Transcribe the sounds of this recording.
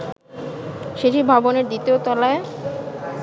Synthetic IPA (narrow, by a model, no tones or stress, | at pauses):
ʃeʈʰibʱaboneɾd̪it̪iot̪ɔlae